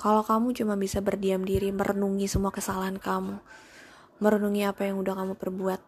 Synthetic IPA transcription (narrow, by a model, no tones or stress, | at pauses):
kalakamut͡ʃumanbisabərdiamdiɾiməɾənuŋisəmuakəsalaɦankamu | məɾənuŋiapajaŋudahkamupərbuat̪̚